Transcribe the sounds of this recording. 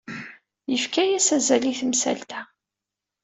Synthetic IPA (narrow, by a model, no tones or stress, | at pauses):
jəfkæjæsæzæliθmsæ̰lt̪æ